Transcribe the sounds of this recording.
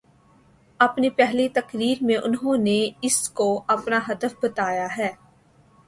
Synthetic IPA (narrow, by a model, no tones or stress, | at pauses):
ɐpnipɛɦlit̪ɐkɾiːɾmẽʔʊnɦõːneɪskoɐpnaɦɐd̪əfbɐt̪aːjaɦɛː